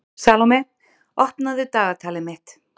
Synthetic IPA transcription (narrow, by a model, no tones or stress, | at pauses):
saːlɔmɛ | ɔhpnaðɪt̪aːɣat̪ʰaːlɪmɪht̪